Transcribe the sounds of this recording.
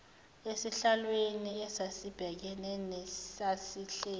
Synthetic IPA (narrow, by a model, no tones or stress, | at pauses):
esiɬalweniɛsasib̥ʱɛk̬ɛnɛnɛsasiɬɛː